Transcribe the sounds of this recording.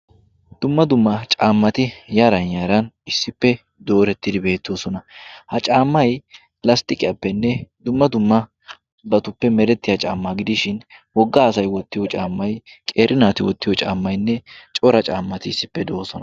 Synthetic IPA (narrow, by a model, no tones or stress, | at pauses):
d̪̥ʊmːɐd̪ʊmːɐt͡ʃʼaːmːɐt̪ɪjaɾɐnjaːɾɐnɪsːɪpːɛ | d̪o̞ːɾɛt̪ːɪd̪ɪbe̞ːt̪ːoːsɔnɐhɐt͡ʃʼaːmːɐj | lɐst̪ɪkʼɪjapːɛnːɛd̪ʊmːɐd̪ʊmːɐ | bɐt̪ʊpːɛmɛɾɛt̪ːɪjɐt͡ʃʼa̰ːmːaɡɪd̪ɪʃɪnwɔɡːaːsɐjwɔt̪ːɪjɔt͡ʃʼaːmːɐjkʼeːɾʔɪnaːt̪ɪwɔt̪ːɪjɔt͡ʃʼa̰ːmːɐjnːɛt͡ʃʼɔɾɐt͡ʃʼaːmːɐt̪ɪɪsːɪpːɛd̪oːsɔnɐ